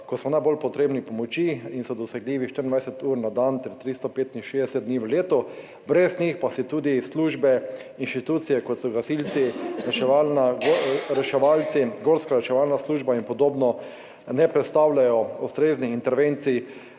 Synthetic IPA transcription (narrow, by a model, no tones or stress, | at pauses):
kɔsmɔnajbolpɔt̪ɾebnipɔmɔt͡ʃiinsɔd̪ɔsɛɡliːʋiʃt̪əɾind̪ʋajsɛt̪uːɾnad̪ant̪ɛɾt̪ɾist̪ɔpeːt̪inʃeːzd̪ɛsɛt̪̚d̪niʋəleːt̪ɔ | bɾɛznixpasit̪uːd̪isluʒbɛinʃt̪it̪uːt̪sijɛkɔt̪sɔɡasilt̪siɾɛʃɛʋalnaɡɾɛʃɛʋalt̪siɡoːɾskaɾɛʃɛʋalnasluːʒbainpɔd̪oːbnɔ | nɛpɾɛt̪st̪awlʲajɔust̪ɾeznixint̪ɛɾʋẽnt̪si